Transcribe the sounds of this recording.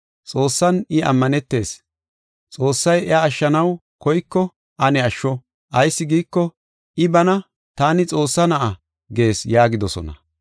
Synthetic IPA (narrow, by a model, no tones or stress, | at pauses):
t͡sʼo̞ːsːɐnɪɐ̰mːɐnɛt̪ːe̞ːs | t͡sʼo̞ːsːɐjɛaːʃːɐnɐw | kɔjkːɔ | ʔɐnɛɐʃːɔ | ʔɐjsːɪɡiːkːɔ | ʔɪbɐnɐ | t̪aːnɪt͡sʼo̞ːsːɐnɐʔɐ | ɡe̞ːsjaːɡɪd̪ɔsɔ̰nɐ̰